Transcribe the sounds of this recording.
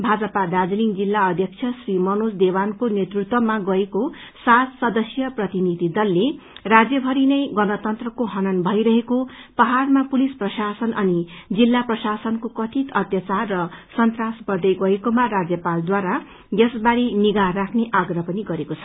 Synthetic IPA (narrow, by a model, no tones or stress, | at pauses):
bʱad͡zʌpad̪ad͡zliŋd͡zilːaʌd̪ʱjʌk̚t͡sʰjʌsrimʌnosd̪ewankonet̪rut̪wʌmaɡʌekosat̪sʌd̪ʌsjʌprʌt̪inid̪ʱid̪ʌlːe | rad͡zjʌbʱʌɾinʌjɡʌnʌt̪ʌnt̪rʌkoɦʌnʌnbʱʌjɾʌɦekopʌɦarmapulisprʌsasʌnʔʌnid͡zilːaprʌsasʌnkokʌt̪ʰit̪ʌt̪jʌt͡sarːʌsʌnt̪rasbʌrd̪ʌjɡʌekomarad͡zjʌpald̪waɾa | jʌsbaɾiniɡaɦrakʰneʔaɡrʌɦpʌniɡʌɾekot͡sʰʌ̥